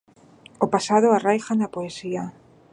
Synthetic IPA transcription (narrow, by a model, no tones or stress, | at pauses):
opasað̞oarajxanapoesia